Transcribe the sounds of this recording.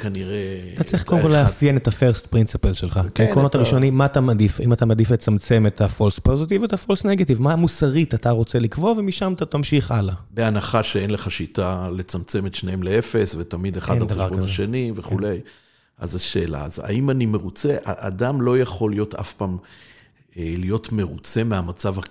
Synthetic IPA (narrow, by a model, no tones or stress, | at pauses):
kaniʁeat̪at͡sʁiχkodemkolleafjenet̪afe̞ʁst̪pʁinsipelʃelχakekʁonotaʁiʃo̞nimːaːt̪amad̪ifimat̪amad̪iflet͡samt͡se̞met̪afo̞lspo̞zit̪ivetafo̞lsne̞ɡativmamusaʁitat̪aʁo̞t͡se̞likvo̞vemiʃamt̪at̪amʃiχʔalabeanaχaʃeenleχaʃitale̞t͡samt͡semetʃneemlee̞fe̞svet̪amid̪eχadamd̪avaʁokʃeniveχule̞j | ʔa̰zaʃe̞̰ːla̰za̰imanimeʁut͡se̞ʔaʔad̪amlo̞jaχo̞lijo̞ta̰fpaːm | elijo̞tme̞ʁut͡se̞meamat͡sava